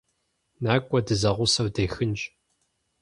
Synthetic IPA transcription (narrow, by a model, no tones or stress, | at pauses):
naːkʷʼɔdɨzɐʁʷʊsɐwdeːxɨnd͡ʒʼ